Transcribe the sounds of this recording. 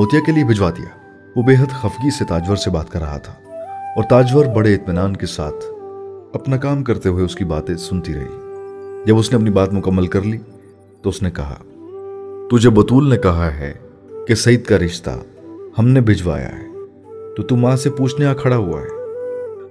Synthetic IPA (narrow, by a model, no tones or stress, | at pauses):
oːt̪ijakeliebʱɪd͡ʒʋaːd̪ḭja̰ː | ʋobeːɦəd̪xɐfɡiset̪aːd͡ʒʋəɾsebaːt̪kɐɾːɐɦa̰t̪ʰḁːɔːɾt̪aːd͡ʒʋəɾbɐɽeɪt̪mɪnaːnkesa̰ːt̪ʰɐpnakaːmkɐɾt̪eɦueʊskibaːt̪ẽsʊnt̪iɾɐ̰ɦḭd͡ʒɐbʊsneɐpnibaːt̪mʊkəmːəlkɐɾliː | t̪oʊsnekɐɦa̰ː | t̪ʊd͡ʒʱebɐt̪uːlnekɐɦaɦɛ̰ | kesɐjɪt̪kaɾɪʃt̪a̰ | hɐmnebʱɪd͡ʒʋa̰ːja̰ɦɛ̰ː | t̪ot̪umãsepuːt͡ʃʰnekakʰɐɽaɦua̰ɦɛ̰ː